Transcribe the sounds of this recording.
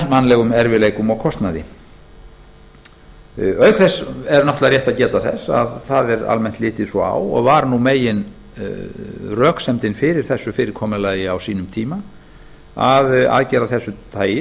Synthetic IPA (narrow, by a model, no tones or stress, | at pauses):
manːlɛɣʏmɛɾvɪleːjkʏmɔɣkʰɔst̪naðɪ̰ | œːɥkʰθɛsɛɾnɔht̪laɾrjɛht̪aðcɛːt̪aθɛ̰sːa̰ðθaðɛɾa̰lmɛn̥t̪lɪːt̪ɪðsɔa̰wɔ̰ɣvaɾnumeːjɪn | rœːksɛmt̪ɪnfɪɾɪɾ̥θɛsːʏfɪːɾɪɾ̥kʰɔːmɪlaːjɪawsiːnʏmt̪ʰiːma | aða̰ðcɛːɾaθɛsːʏt̪ʰaːjɪ